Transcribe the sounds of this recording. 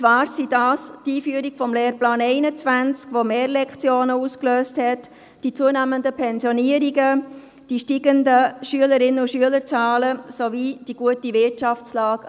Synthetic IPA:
t͡svɑːɾsidɑːstiːfyːəɾiɡfɔmleːɾplɑːneɪnət͡sʋænt͡skʋomeːɾlɛkt͡sjoːnəuːskløːsthɛt | d̥it͡suənæːməndəpʰɛnsjɔniəɾiɡə | d̥iʃtiɡəndəʃyələɾɪnəʊʃyələɾt͡sɑːləsovid̥iɡ̥uətivɪtt͡ʃɑft͡slɑːɡ

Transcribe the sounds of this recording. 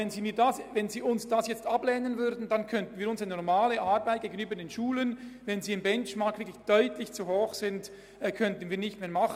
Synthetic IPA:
ɛnziːmiːdasvɛnziːʊnsd̥asjɛt͡stɑblɛːnənvʏɾdn̩d̥ɑnkʰœntnviːɾʊnsəanɔʁmaːləʔaɾbaɪt̚ɡ̥eːɡənyːbəɾdeːnʃuːlənvɛnziːɪmbɛnt͡ʃmakʰvɪklɪçd̥œʏtlɪçt͡suɦoːχsɪnd | ɛːkʰœntən̩viːɐnɪçtmeːɐmɑχ

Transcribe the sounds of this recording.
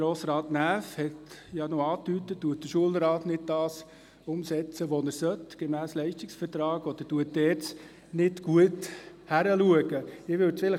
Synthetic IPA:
ɾoːsɾɑːtnæːfhɛtjɑnoɑːt̪ytətduət̚d̥̪əʃuəlɾɑːtnɪd̚d̥ɑːs | ʊmsɛt͡səʋonəɾsœtɡ̥ɛmæːslɛɪʃtɪksfəɾtɾɑːɡɔd̪̥əɾtuət̚dɛːɾt͡s | nɪtɡ̥uət | hæɾəluəɡ̥əɪʋʏtt͡sfɪlə

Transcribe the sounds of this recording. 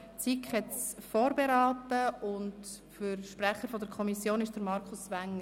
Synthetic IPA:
t͡sikχhɛtsfoːɾbeɾɑːtəʊnt | fəɾʃprɛχəɾfɔdəɾkʰɔmisjoːnɪʃd̥əɾmɑɾkʰʊsvæŋːə

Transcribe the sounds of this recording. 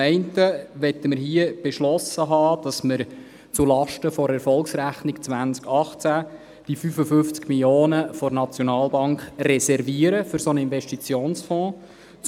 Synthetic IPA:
ɛɪntəʋɛt̪ːəməɾɦiəb̥eʃlɔsəɦɑːd̥ɑsməɾ | t͡sulɑʃtəfɔɾɛɾfɔlksɾæχnɪkt͡sʋænt͡skɑχt͡sæ | d̥ifyfəfʏft͡skmiljoːnəfɔɾnɑt͡sjonɑːlˠbɑŋkχrɛsɛɾviəɾəfʏɾsonəinvɛʃtit͡sjoːnsfɔ̃ː | t͡s

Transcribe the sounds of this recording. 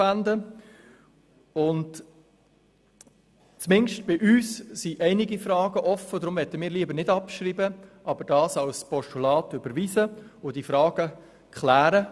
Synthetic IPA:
ænd̪ə | ʊnt | t͡smɪnʃtb̥ɪʔyːssiʔɛɪnɪɡifɾɑːɡ̥əʔɔfəd̪ɾʊmʋɛtːəmiːɾliəbəɾnɪdɑpʃɾiːbəʔɑbəɾd̥ɑːsɑlspɔʃtulɑːtʏbəɾʋiːsəʊd̥ifɾɑːɡ̥ə | kχlæːɾə

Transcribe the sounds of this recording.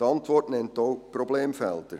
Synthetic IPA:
əɑntʋɔrtnɛntoːprɔbleːmfɛltər

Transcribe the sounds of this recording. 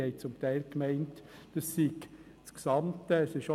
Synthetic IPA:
ɛɪt͡sʊmtæɪlkmæɪntd̥ɑssiɡ | sksɑmtəɛsɪʃo

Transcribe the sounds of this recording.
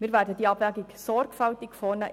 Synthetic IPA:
miːɾvæːɾdədiːɑbvæːɡiksɔɾɡfɑlt̪ikfɔːnə

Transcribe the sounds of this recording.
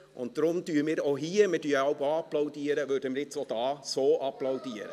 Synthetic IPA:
ʔʊnt̚d̥ɾʊmd̪yːɾmiːɾoɦiːɾmədyːɑʊɡoɑplɑʊdiːɾəʋøɾdəmənɪtsoːd̥ɑːsoːʔɑplɑʊdiːɾə̰

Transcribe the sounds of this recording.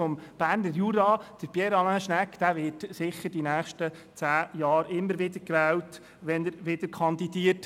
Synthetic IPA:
ɔmb̥æːɾnəɾjuɾɑːd̥əɾb̥jɛɾɑnaʃnækd̥̪æʋɪːtsɪχːəɾd̥inæːχʃtə | t͡sæːjɑːɾɪmːəɾʋɪd̪əɾkʋɛːlt | ʋɛnəɾʋɪd̥̪əɾkʰɑnd̪idiːət

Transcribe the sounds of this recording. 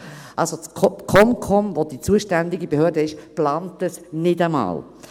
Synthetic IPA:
ʔɑlsot͡skʰɔmkʰɔmvod̥it͡suəʃtɛndɪɡibehøːdəɪʃplɑːntəsnɪdəmɑ̰ːl

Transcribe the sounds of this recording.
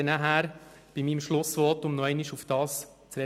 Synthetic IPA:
ənæɦæɾ | b̥imiːmʃlʊsʋɔtʊmnɔɛɪniʃufd̥ɑːs | t͡sɾɛ

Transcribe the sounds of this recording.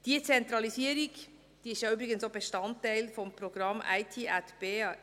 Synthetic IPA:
d̥iːt͡sɛnt̪ɾɑlisiːəɾɪɡ | d̥iːɪçjɑyːbɾɪɡənsoːbəʃtɑnt̪ʰːæɪlfɔmpʰɾoɡɾɑma̰ɪt̪ʰiːʔæt̪b̥eː

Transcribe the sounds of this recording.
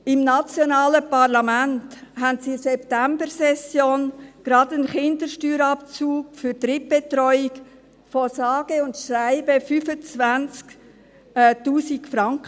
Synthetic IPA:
ɪmnɑt͡sjonɑːləpɑʁlɑmænthæntsisɛptæmbəɾsɛsjoːnɡ̥ɾɑdənχɪndəʃtyːɾɑpt͡suːkfʏɾtɾɪp̚b̥etɾɔʏik | fɔsɑːɡ̥əʊntʃraɪbəfyfət͡svænt͡sk | tuːsikfɾɑŋkə

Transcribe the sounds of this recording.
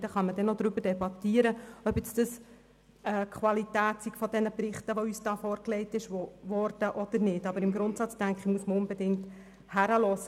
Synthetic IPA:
dəχɑnmədɛnod̪ɾʏbəd̥ɛbɑt̪iəɾəœbɛt͡sd̥əs | ɛːkχʋɑlitæːtsikfɔdɛnəbrɪχtəʋoyːsd̥ɑːfɔːɾkleɪtɪʃoʋɔɾd̥əʔɔd̥̪əɾnɪːdɑbəɾɪmɡɾʊntsɑt͡sd̥æŋkχəmuəsməʊnbɛdɪŋt | hæɾəlɔsə

